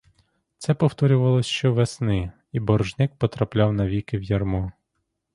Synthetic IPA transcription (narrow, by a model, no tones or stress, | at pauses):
t̪sɛpɔwt̪ɔɾʲʊʋɐlˠɔsʲʃt͡ʃɔʋesnɪ | ibɔrʒnɪk̚pɔt̪ɾɐplʲɑwnɐʋʲikɪwjɐrmɔ